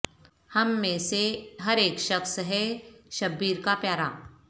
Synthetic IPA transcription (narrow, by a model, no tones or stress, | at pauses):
hɐmːẽːseɦɐɾeːkʃɐxsɦɛʃɐbːiːɾkapjaːɾa̰